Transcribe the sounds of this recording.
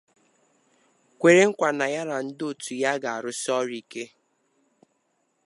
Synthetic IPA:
kʷe˨ɾe˦ŋ̩˦kʷa˨na˨ja˦ɾa˨n̩˦do˦˨tu˨ja˦ɡa˨a˨ɾʊ˦sɔ˦ɾi˨ke˦

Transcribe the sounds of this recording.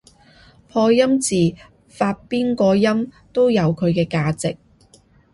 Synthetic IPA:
pʰɔː˧jɐ˥mt͡siː˨˩ | faː˧t̚piː˥nkɔː˧jɐ˥m | t̪o˥wjɐ˨˧wkʰɵ˨˧ɥkɛː˧kaː˧t͡sɪ˨k̚

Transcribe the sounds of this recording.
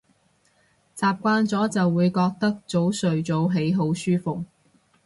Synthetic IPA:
t͡saː˨p̚kʷaː˧˥nt͡sɔː˨˥t͡sɐ˨wːuː˨˧jkɔː˧k̚t̪ɐ˥k̚t͡so˨˥wsɵ˨ɥt͡so˨˥wɦe˨˥jɦo˨˥wsyː˥fʊ˨k̚

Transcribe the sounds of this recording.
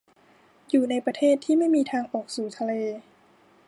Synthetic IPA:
juː˨˩na˧jpɾa˧t̪ʰeː˥˩t̪ʰːiː˥˩ma˥˩jmiː˧t̪ʰaː˧ŋʔɔː˨˩k̚suː˩˦t̪ʰa˧leː˧

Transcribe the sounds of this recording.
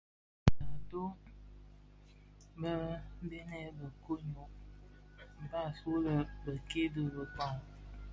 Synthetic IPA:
nə˨do˦ | bə˦be˦nɛ˦bə˨ko˦ɲo˨ʔ | m̩˨ba˦˨so˦lə˦bə˨ke˦də˦bə˨kɔ˦˨ŋ

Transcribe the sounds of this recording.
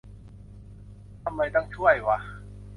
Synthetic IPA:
ta˧˥mːa˧˩jt̪a˥˧ŋt͡ɕʰu˥˩a˨˩jwa˧

